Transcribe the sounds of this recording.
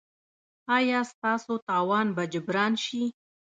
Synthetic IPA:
ɑjɑst̪ɑsot̪ɑwɑnbad͡ʒʊbɾɑnʃi

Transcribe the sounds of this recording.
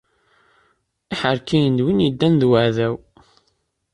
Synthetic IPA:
iħəɾkijənd̪winid̪ːænðwəʕðæw

